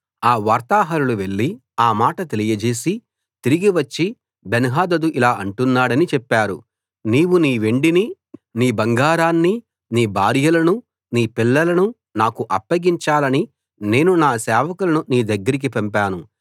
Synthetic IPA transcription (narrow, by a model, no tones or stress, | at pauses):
aːʋaːɾt̪aːɦɐɾuluʋe̞ɭːi | aːmaːʈɐt̪elijɐd͡ʒe̞ːsi | t̪iɾiɡiʋɐt͡ʃːi | benɐɦaːd̪ɐd̪uʔilaːʔɐɳʈunːaːɽɐnit͡ʃɛpːaːɾṵ | niːwuniːʋe̞ɳɖini | niːbɐŋɡaːɾaːnːi | niːbʱaːɾjɐlɐnu | niːpilːɐlɐnu | naːkuʔɐpːɐɡiɲt͡ʃaːlɐni | ne̞ːnunaːsɛːʋɐkulɐnuniːd̪ɐɡːɐɾik̬ipɐmpaːnu